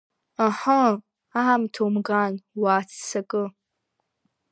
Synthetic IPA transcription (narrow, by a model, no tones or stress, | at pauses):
aħa | aamtʰowmɡaːnwaːt͡sʰsɐkʼɨ